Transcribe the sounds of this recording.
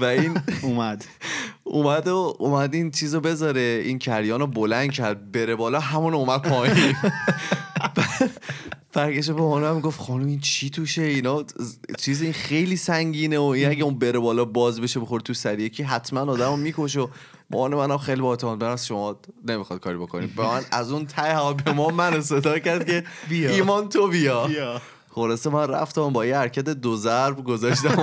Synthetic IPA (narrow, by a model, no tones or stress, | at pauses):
væiːnumæd̪̥ | ṵmæd̪oumæd̪int͡ʃʰiːzobe̞zɒɾeiːncʰæɾjɒːnobolænd̪̥cʰæɾd̪̚beɾebɒːlɒːɦæmuːnoomæd̪̚pʰɒːim | bæ | b̥æɾkeʃ̬ebemɔːneæmːiɡoft̪xɒːnumint͡ʃʰit̪ʰuʃe̞inɒːt͡ʃʰiːziinxe̞jliːsæŋɟiːneoinæɟeunbe̞ɾebɒːlɒːbɒːzbe̞ʃebixoɾt̪ʰusæɾijecʰiːɦæt̪ʰmænɒːd̪æmomiːkoʃ̬o | mo̰ʔɒnemænæmxejlibɒet̪ʰemɒːt̪̚beɾæmæsʃomɒːne̞mixɒd̪̥̚kʰɒːɾibo̞kʰonibæænæzunt̪ʰæehæɒbemɒːmænos̬e̞d̪ɒːcæɾd̪̚ce̞biiːmɒːnt̪ʰobijɒ | χo̞lɒːsemænræ̰ft̪æmbɒːjihæɾcʰæt̪̬e̞d̪ozæɾbɡozɒːʃt̪æm